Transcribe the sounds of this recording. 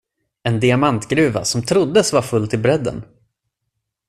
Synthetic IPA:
ɛnd̪ɪamant̪ɡɾʉ̟ːva̰sɔmt̪ʰɾʊd̪ːəsvaɾfɵlːt̪ʰɪlbɾɛd̪ːə̰n

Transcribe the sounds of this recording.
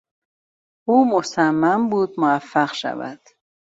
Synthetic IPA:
uːmosamːambuːd̪moafːaɢʃa̰væ̰d̪̥

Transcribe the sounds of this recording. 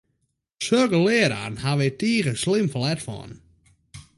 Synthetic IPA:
søkəlɪːɾa̰ːnhaʋɪtiːɣəslɪmfəlɛtfɔ̰n

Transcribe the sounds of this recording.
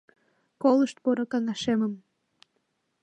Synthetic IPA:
koləʃt̪̚poɾokɑŋɑʃeməm

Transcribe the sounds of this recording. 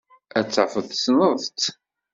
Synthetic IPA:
æt͡sːəfəðsnəˤðˤt̪

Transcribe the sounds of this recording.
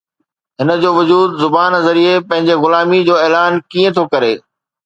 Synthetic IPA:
ɦɪnə̆d͡ʑoːʋʊd͡ʑuːd̪zʊbaːnəzɐɾiepɐ̃ɦɪ̃ɲd͡ʑeɣʊlaːmid͡ʑoːeːlaːnkiːẽt̪ʰokɐɾeː

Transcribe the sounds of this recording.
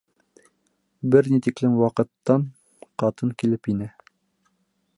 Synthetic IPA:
bɘɾnit̪iklɘmwɑqɤ̆t̪ːɑn | qɑt̪ɤŋkilɘpinɘ

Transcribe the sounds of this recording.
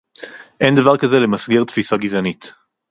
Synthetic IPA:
ʔe̞nd̪avaʁkazelemasɡiʁt̪fisaɡizanit̪

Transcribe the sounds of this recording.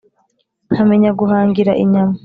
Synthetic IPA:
hameɲaɡuɦaːŋɡiɾa̰ʔiɲama

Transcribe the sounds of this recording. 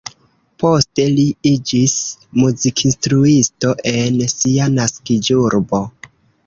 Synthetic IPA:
po̞ste̞liid͡ʒismuzikʰinstɾuisto̞ʔe̞nsianaskid͡ʒuɾbo̞

